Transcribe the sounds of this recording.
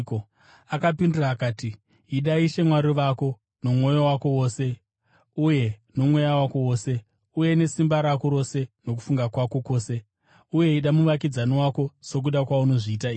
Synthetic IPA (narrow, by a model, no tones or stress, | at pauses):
ko | akapindiraːkaːti | iɗaiʃe̞mwaɾiʋako̞ | no̞mwo̞jowako̞wo̞ːse̞ | uje̞no̞mwe̞jawako̞wo̞ːse̞ | uje̞ne̞simbaɾakoɾo̞se̞nok̬u̥fuŋɡakwako̞ko̞ːse̞ | uje̞iɗamuʋak̬id͡zaniwako̞so̞k̬uɗakwauno̞ʐiːtaiː